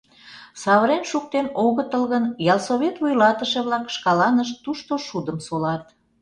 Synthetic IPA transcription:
sɑβəɾenʃuk̚t̪enoɣət̪əlɣənjɑlˠsoβʲet̪βujlɑt̪əʃĕβlɑkʃkɑlɑnəʃt̪uʃt̪oʃud̪əmsolɑt̪

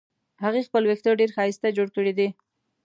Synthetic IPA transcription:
haɣexpəlwekt̪oɾɖeɾxɑɪst̪ad͡ʒoɽkəɽed̪i

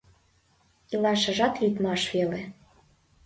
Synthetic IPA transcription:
ilɑʃə̆ʒɑt̪lyt̪mɑʃvele

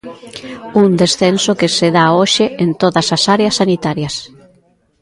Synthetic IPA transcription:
und̪esθensokeseðaoʃɪent̪oðɐsasaɾeɐsːanit̪aɾjɐs

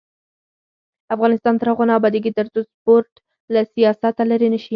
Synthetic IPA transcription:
afɣɑnɪst̪ɑnt̪əɾhaɣɑnɑabɑd̪iɡit̪əɾt̪uspoɾʈ | lasijɑsat̪alaɾenəʃi

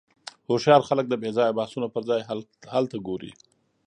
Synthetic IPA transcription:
hoʃjɑɾxalək̚d̪əbezɑjbahsunopəɾzɑjhalt̪aɡoɾḭ

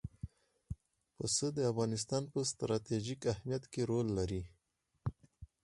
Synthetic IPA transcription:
pəsəd̪əafɣɑnɪs̬t̪ɑnpəst̪ɾɑt̪eʒikahmijat̪keɾolːaɾi

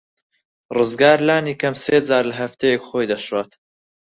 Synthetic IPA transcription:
rɨzɡaːɾlaːniːkɐmseːd͡zaːɾlɐɦɐft̪ʰejekχoːjd̪ɐʃwaːt̪

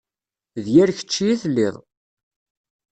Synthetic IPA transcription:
ðjæɾçə̥t͡ʃːiæθlːɪðˤ

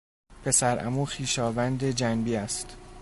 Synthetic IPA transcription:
pʰe̞sæɾʔæ̰muːxiːʃɒːvænd̪e̞d͡ʒænbiːæst̪

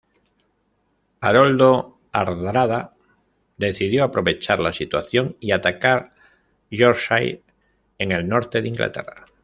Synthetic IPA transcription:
aɾold̪o | aɾðɾaða | d̪e̞θið̞joapɾo̞βe̞t͡ʃaɾlasit̪waθjo̞ŋiat̪akaɾ | ʒoɾʃaj | eŋe̞lnoɾt̪eðiŋɡlʔa̰t̪ḛra

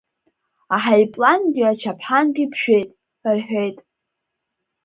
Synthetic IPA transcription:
aħajpʼlanɡʲɪat͡ʃʰapʰħanɡʲipʰʃᶣe̞jtʼ | rħʷᶣe̞jtʼ

